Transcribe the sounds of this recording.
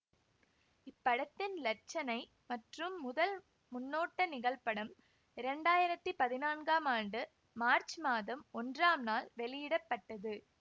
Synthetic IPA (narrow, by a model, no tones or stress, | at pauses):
ɪpːɐɽɐt̪ːɪnlɐt͡ʃːɐnɐɪ | mɐʈrɯmːʊðɐl | mʊnːoːʈːɐnɪɣɐlpɐɽɐm | ɪɾɛɳɖaːjɪɾɐt̪ːɯpɐðɪnaːnɡaːmaːɳɖɯ | maːɾt͡ʃmaːðɐmɔndraːmnaːlʋɛɭɪjɪɽɐpːɐʈːɐðɯ